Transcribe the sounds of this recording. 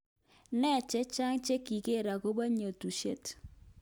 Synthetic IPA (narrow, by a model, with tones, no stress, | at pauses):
nɛ˦˨t͡ʃɛ˦t͡ʃa˦ŋt͡ʃe˦ki˨ke˦˨ɾa˨ko˦ba˦ɲo˨tu˨ʃe˦t